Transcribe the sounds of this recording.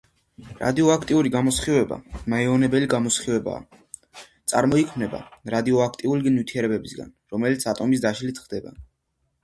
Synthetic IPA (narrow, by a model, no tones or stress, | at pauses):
ɾa̰d̪iɔakʰt̪ʼiuɾiɡamɔsχivɛba̰maɛɔnɛbɛliɡamɔsχivɛba̰ː | t̪sʼaɾmɔikʰmnɛba̰ɾad̪iɔakʰt̪ʼiuliɡnit̪ʰiɛɾɛbɛbisɡa̰nɾɔmɛlit̪sʰat̪ʼɔmis̬d̪aʃlit̪ʰχd̪ɛba̰